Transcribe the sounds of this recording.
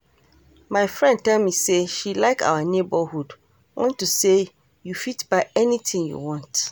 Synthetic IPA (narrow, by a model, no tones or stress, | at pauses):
mãɪfɹɛ̃ndtʰɛlmĩseʃilaɪkʰa̰wənebəhud | wʔɑ̰̃ntʰːuse | jufitb̥aɪɛnitʰɪ̃ŋjṵwɔ̃nt